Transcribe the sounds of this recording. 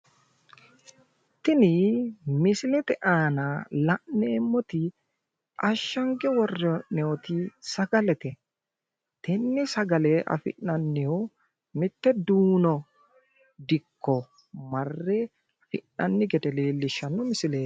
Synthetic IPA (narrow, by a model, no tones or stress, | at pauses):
t̪ːɪnɪmɪsɪlɛt̪ɛʔaːnalɐʔneːmːɔt̪ɪ | ʔɐʃːɐŋɡɛwɔrːɛnɛɔt̪isɐɡɐlɛt̪ɛ | t̪ɛnːɪsɐɡɐleːʔɐ̰fɪ̰ʔːɐnːɪhu | mɪt̪ːɛd̪uːnɔ | d̪ɪkːɔ | mɐrːeː | fɪnːɐnːɪɡɛd̪ɛle̞ːlːɪʃːɐnːɔmɪsɪleː